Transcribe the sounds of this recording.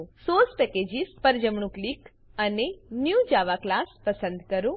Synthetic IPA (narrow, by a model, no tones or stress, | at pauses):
sospɛked͡ʒispəɾd͡ʒəmɳũklik | ənenjud͡ʒaʋaklaspəsə̃nd̪kəɾũ